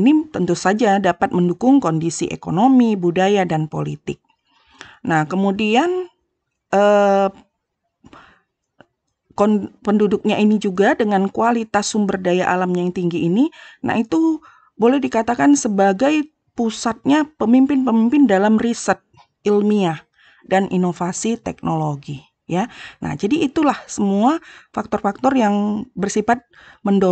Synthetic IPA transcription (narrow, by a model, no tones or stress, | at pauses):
init̪ənt̪usad͡ʒadapat̪̚məndukʊŋkondisḭʔḛkonomibudajadanpo̰lḭt̪ɪk̚ | nahkəmudian | ʔə | konpəndudʊk̚ɲainid͡ʒuɡadəŋankualit̪asʊmbərdajaʔalamɲaŋt̪iŋɡiʔːnina̰hit̪u | bolɛhdikat̪akansəbaɡaj | pusat̪̚ɲapəmimpɪnpəmimpɪndalamrisət̪̚ | ilmia | danʔinofasit̪ɛ̰k̚noloɡi | jana̰hd͡ʒadiːt̪ulahsəmuafak̚t̪ɔrfak̚t̪ɔrjaŋbərsifat̪̚ | məndo